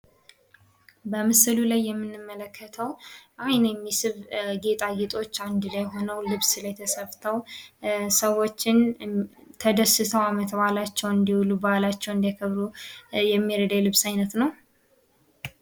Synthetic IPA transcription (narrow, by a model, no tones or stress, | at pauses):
bəmɨsɨlulajːɛmːɨnːɨmːələkʰːət̪ʰəwʔajnjɛmːisɨβɡe̞t̪ʼaɡet̪ʼo̞t͡ʃːand̪lajɦo̞nəwlɨβsɨləjt̪ʰəsəft̪ʰəw | səwo̞t͡ʃːɪn | t̪ʰəd̪əsɨt̪ʰəwamət̪bəhalat͡ʃːɛwɨnd̪iwulubəhalat͡ʃːɛwɨnd̪ijakʰəβɾujɛmːiɾəd̪ajlɨβsajnət̪nəw